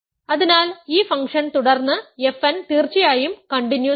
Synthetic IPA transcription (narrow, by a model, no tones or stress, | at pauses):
ɐðinaːliːfɐŋkʂɐnt̪uɽɐrnːɨefɐnt̪iːrt͡ɕːijaːjumkɐɳɖinju